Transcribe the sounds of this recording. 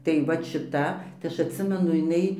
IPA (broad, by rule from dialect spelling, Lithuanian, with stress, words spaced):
tɐɪ ˈʋɐt ʃʲɪˈtɐ tɐɪ ˈɐʃ ɐtʲˈsʲɪmʲɛnʊ jɪˈnɐɪ